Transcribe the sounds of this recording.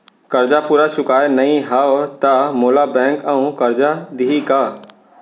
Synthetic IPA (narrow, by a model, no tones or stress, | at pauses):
kɐɾd͡ʒapuːɾat͡ʃʊkaːenɐɦĩɦat̪amoːlabɛ̃ːŋkɐũkɐɾd͡ʒad̪iɦikaː